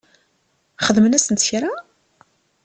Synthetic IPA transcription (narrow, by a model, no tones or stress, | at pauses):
χəðmənæsənt̪çɾa